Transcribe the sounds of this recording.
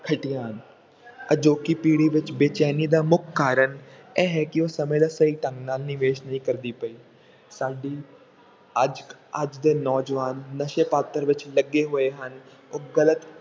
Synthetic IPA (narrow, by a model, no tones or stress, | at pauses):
kʰəʈɪjãːn | əd͡ʒoːkiːpiːɽiːʋɪt͡ʃbeːt͡ʃɛːniːd̪aːmʊkʰːaːɾəɳɛːɦɛːkɪoːsəmẽːd̪aːsəiːʈəŋɡnaːlnɪʋeːʃnəɦĩkəɾd̪iːpəiː | saːɖiː | əd͡ʒəd͡ʒd̪eːnɔːd͡ʒʋaːnːəʃeːpaːt̪əɾʋɪt͡ʃləɡːeːɦoːeːɦən | oːɡələt̪